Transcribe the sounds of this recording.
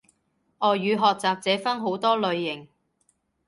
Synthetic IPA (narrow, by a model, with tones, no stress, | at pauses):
ʔɔː˨˩jyː˨˧ɦɔː˨k̚t͡saː˨p̚t͡sɛː˨˥fɐ˥nɦo˨˥wt̪ɔː˥lɵ˨˧ɥːɪ˨˩ŋ